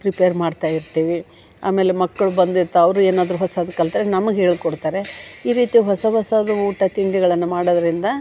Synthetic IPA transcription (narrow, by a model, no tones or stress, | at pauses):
pɾipeːɐɾmaːɖt̪aːjiɾt̪iːʋi | a̰ːme̞ːle̞mɐkːɐɭubɐnd̪iɾt̪ːɐɐʋɐɾuːeːnaːd̪ɐɾuɦɔsaːd̪ɐkːɐlt̪ɐːɾenɐmɐɡeɦe̞ːɭkɔɽt̪aːɾeiːɾiːt̪ijɦɔsɐɦɔsaːd̪ɐuːʈɐt̪iɳɖiɡɐɭɐnːumaːɽod̪ɐɾind̪ɐ